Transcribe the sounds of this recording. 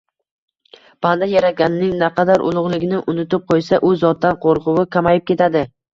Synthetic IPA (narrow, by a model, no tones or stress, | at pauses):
b̥and̪ajaɾaɡʲanɪnɪŋnaqɑd̪aɾʔʊ̰lˠʊʁlˠɪɡʲɪnɪʔʊnɪt̪ɪp̚qʰojsaʔʊzɒt̪̚d̪anqʰoɾqʊwɪkʲʰamajɪp̚kʲe̞t̪ʰad̪ɪ